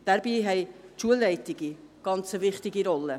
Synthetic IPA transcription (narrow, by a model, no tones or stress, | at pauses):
d̥aɾbiːɦɛɪʃuəlɛɪtɪɡ̥iɡ̥ɑnt͡səvɪχtɪɡiɾɔlə